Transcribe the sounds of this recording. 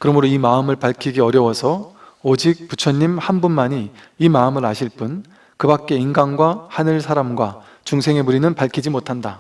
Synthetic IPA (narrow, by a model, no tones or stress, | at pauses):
kɯɾʌmɯɾoimaɯmɯɭpaɭkʰiɡeʌɾjʌwʌsʰʌod͡ʑik̚put͡ɕʰʌɲːimhanbunmaɲiː | maɯmɯɾaɕʰiɭp͈un | kɯbak̚k͈e̞inɡanɡwahanɯɭsʰaɾamɡwa | t͡ɕuŋsʰe̞ŋe̞muɾinɯnpaɭkʰid͡ʑimotʰanda